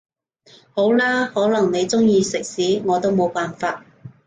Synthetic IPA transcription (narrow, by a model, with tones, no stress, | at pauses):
ho˨˥wlaː˥hɔː˨˥lɐ˨˩ŋne˨˧jt͡sʊ˥ŋjiː˧sɪ˨k̚siː˨˥ŋɔː˨˧t̪o˥wmo˨˧wpaː˨nfaː˧t̚